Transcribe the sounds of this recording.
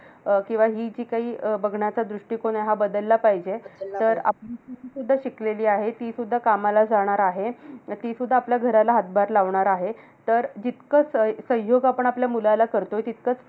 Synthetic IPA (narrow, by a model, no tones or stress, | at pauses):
kĩw̃ʋaɦiːd͡ʑiːkaɦiːbəɡʱɳjat͡sad̪ɾuʂʈiːkoɳeɦabəd̪əlːapaɦid͡ʑeəɾa̰piiisud̪ʱːaɕikleliːaɦet̪iːsud̪ʱːakamalad͡zaɽ̃aɾaɦet̪iːsud̪ʱːaːpljaɡʱəɾalaɦat̪̚bʱaɾlaʋɳaɾaɦe | t̪əɾd͡ʑit̪kət͡ssə̃ɦjoɡapəɳ̃apljamulajlakəɾt̪oɦet̪it̪̚kət͡s